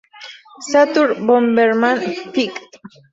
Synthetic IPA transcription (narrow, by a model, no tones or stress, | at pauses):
sat̪uɾbombeɾmanfikt̪